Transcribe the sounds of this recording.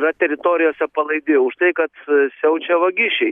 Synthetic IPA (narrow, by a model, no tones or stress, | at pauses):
ɾɐt̪ʲɛɾʲɪt̪oːɾʲɪjoːsʲɛpɐlˠɐɪd̪ʲɪːjʊʃt̪ɐɪkɐt̪sʲɛʊt͡ʃʲɛʋɐɡʲɪʃʲɛɪ